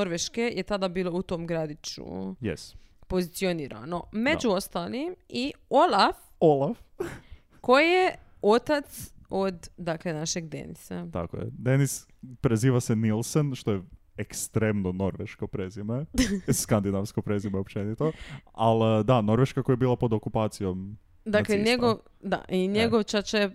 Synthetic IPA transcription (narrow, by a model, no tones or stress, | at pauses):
oɾʋeʃke̞jʔet̪ad̪abiːlˠo̞ut̪o̞ːmɡɾad̪it͡ʃṵjḛspo̞zit̪sio̞niːɾa̰no̞me̞d͡ʒuo̞st̪alimiolaf | olˠaf | ko̞jije | o̞t̪at̪so̞d̪ːaklenaʃeɡd̪e̞̰nḭsa̰t̪a̰ko̰jḛd̪enis | pɾeziːʋasenilˠsenʃt̪oje | ekst̪ɾemnono̞ɾʋeʃkopɾezimeskand̪inaʋskopɾezimeopt͡ʃenit̪oald̪ano̞ɾʋeʃkakojebiːlˠapo̞d̪okupaːt̪sijo̞m | d̪akleɲeɡo | d̪a̰ʔiɲeɡoʋt͡ʃat͡ʃe